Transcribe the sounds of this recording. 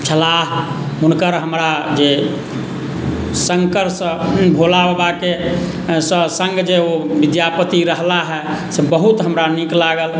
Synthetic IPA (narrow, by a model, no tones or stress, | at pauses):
t͡ʃʰəlaɦ | unkəɾɦəmɾad͡ʒe | səŋkəɾsə̃bʱolabbake | səsə̃ŋɡd͡ʒeobid̪japət̪iɾəɦlaɦɛsebəɦut̪ɦəmɾaniklaɡəl